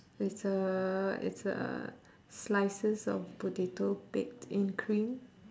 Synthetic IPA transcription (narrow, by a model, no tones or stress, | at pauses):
ɪtsəɪ̰tsə̰ | slaɪsəsɔ̰fbudetopɛk̚tĩnkʰɹĩn